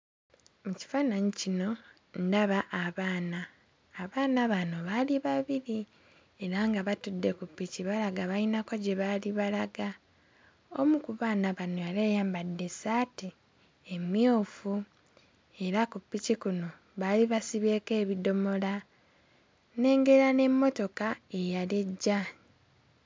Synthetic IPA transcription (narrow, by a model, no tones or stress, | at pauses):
muci̥faːnaɲicino̞ | ndaβaʔːβaːnaː | βaːnaβano̞βaliβaβiɾi | e̞ɾaŋɡaβatudːe̞kupːiciβalaɡaβainakoɟeβaliβalaɡa | o̞̰mukuβaːnaβanojalejaːmbadːe̞sati | emjoːfu | e̞ɾakupːicikuno̞ | βaliβasiβe̞ːke̞ːβido̞mo̞la | ne̞ːŋɡe̞ɾane̞mːo̞to̞kae̞jaleɟːa